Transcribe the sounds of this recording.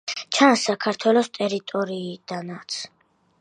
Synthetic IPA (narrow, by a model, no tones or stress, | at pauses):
t͡ʃʰansːakʰaɾt̪ʰwɛlɔst̪ʼɛɾit̪ʼɔɾiːd̪̥anat̪sʰ